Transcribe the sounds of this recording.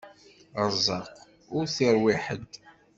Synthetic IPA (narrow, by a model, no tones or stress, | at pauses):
əzˤːɑq | ʊɾθiɾˤwiħə̰d̪